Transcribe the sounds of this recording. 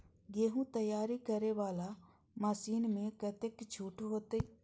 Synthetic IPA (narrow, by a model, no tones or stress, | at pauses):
ɡeːɦũt̪əjaːɾikəɾeʋaːla | məsiːnmẽkət̪ekt͡ʃʰuːʈʰɦoːt̪e